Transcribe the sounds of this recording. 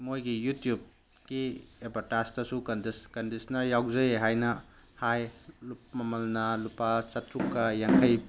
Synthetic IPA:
mojɡijutjub̚ | ɡ̥iebɐɾtastɐsukɐndskɐndisɐnɐjawzɐjɦajnɐhajlup̚mɐmɐlnɐlupat͡ʃɐtɾukːɐjaŋkʰɐj

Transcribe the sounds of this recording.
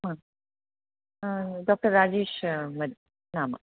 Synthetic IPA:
ma | ɖoːk̚ʈɐɾːaːd͡ʑiːʃmɐd | naːmɐ̰

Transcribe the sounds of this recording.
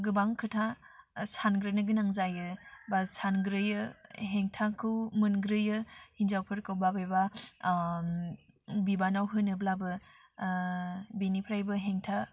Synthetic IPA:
ɡɯbaŋkʰɯtʰasanɡɾɯjnɯɡɯnaŋzajɯbasanɡɾɯjɯɦeŋtʰakʰɯwmɯnɡɾɯjɯhinzawpʰɯɾkɯwbabajba | bibanawɦɯnɯblabɯ | benipʰɾajbɯɦeŋtʰa

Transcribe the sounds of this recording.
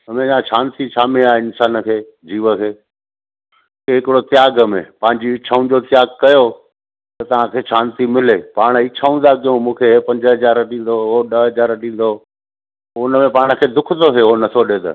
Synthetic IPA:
ɐmẽd͡ʑãːʃʰãːnt̪it͡ɕʰaːmeaːeɪnsaːnə̆kʰeː | d͡ʑiːʋəkʰeː | keɦɪkɪɽot̪ɪjaːɡəmḛ̃pɐ̃ɦɪ̃ɲd͡ʑiɪt͡ɕʰaũd͡ʑot̪ɪjaːɡkɐjo | t̪ɐt̪ɐʋ̤ãkʰeːʃʰãːnt̪imɪleːpaːɽ̃əɪt͡ɕʰaːũnd̪akijũmũːkʰepɐ̃ɲd͡ʑəɦɐd͡ʑaːɾɗĩːn̆d̪ooɗəɦɐd͡ʑaːɾɗĩːn̆d̪o | ʊnəmẽpaːɽ̃ə̆kʰeːd̪ʊkʰd̪oɦeonɐt̪ʰoɗeːt̪ə̰

